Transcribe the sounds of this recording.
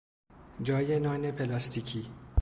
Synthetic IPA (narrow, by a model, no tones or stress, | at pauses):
d͡ʒɒːjenɒːnepʰelɒst̪ʰiːcʰiː